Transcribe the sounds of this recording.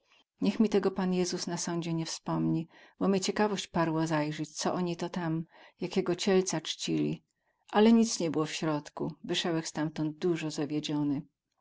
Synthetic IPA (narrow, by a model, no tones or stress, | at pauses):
ɲɛxmʲit̪ɛɡɔpanjɛzusnasɔɲd͡ʑɛɲɛfspɔmɲibɔmʲjɛt͡ɕɛkavɔɕt͡ɕpaɾwɔzajʐɛt͡ɕt̪sɔʔɔɲit̪ɔt̪am | jakʲɛɡɔt͡ɕɛlt̪sat͡ʂt͡ɕilʲḭ | ʔalɛɲit̪sɲɛbɘwɔfɕɾɔt̪kuvɘʂɛwɛxst̪amt̪ɔnd̪̚d̪uʐɔzavʲjɛd͡ʑɔnɘ